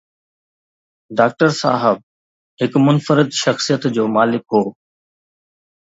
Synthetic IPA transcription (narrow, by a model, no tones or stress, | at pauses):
ɖaːk̚ʈəɾsa̰ːɦəb̚ | ɦɪkmʊnfəɾɪd̪ʃɐxsijət̪d͡ʑoːmaːlɪkɦoː